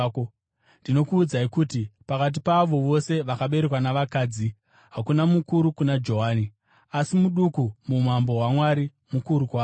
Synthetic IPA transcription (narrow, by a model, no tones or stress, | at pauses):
k | ndino̞kuːd͡zaikutipakat̬ipaʋo̞ʋo̞se̞ʋakaɓe̞ɾekwanaʋakaːd͡zi | ɦakunamukuɾukunad͡ʒo̞ɦaːni | asimuɗukumum̤ambo̞ɦwamwaɾi | mukuɾukwaː